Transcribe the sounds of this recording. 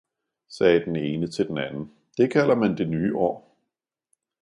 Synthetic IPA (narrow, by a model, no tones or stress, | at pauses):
sɛːd̥ene̝ːnət͡sʰe̝ld̥en̩ænn̩ | d̥e̝kʰæl̰ɐmænd̥e̝nyːʔɒ̰ː